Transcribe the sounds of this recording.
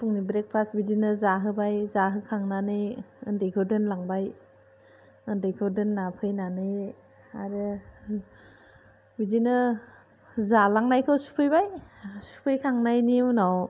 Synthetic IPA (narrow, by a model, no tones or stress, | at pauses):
pʰuŋnibɾek̚pʰasbidinɯzaɦɯbajzaɦɯkʰaŋnanɯjɯndejkʰɯdɯnlaŋbaj | ɯndejkʰodɯnːapʰɯjnanɯj | aɾɯ | bidinɯ | zalaŋnajkʰɯwsu̥pʰɯjbajsu̥pʰɯjkʰaŋnajniunaw